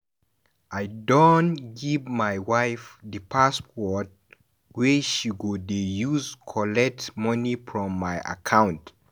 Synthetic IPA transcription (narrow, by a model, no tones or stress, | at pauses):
ʔajdõnɡivmajwaɪfðəpʰaspɔt̚ | wɛʃiɡodejuzkʰɔlɛk̚tmʌnifɹɔ̃mːajʔa̰kʰãʊ̃nt